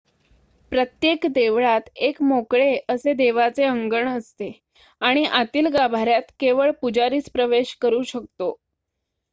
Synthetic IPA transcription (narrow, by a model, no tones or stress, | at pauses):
pɾət̪jekd̪eʋɭat̪ekmokɭeəsed̪eʋat͡seəŋɡəɳəst̪e | aɽ̃iʔat̪iːlɡabʱaɾjat̪keʋəɭpud͡ʑaɾiːt͡spɾəʋeɕkəɾuːɕək̚t̪o